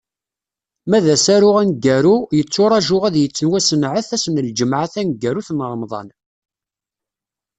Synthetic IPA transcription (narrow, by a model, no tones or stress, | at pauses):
mæðæsæɾʊʁænɡæɾujət͡sːʊɾˤɑʒʊʁæðjət͡sːənwæsənʕəθæsnəld͡ʒəmʕaθænɡːæɾuθnəɾˤmðˤɑ̰n